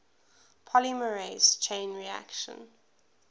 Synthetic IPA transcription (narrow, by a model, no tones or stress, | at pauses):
pʰɔliməɹest͡ʃʰẽɪ̃nɹia̰kʃə̰̃n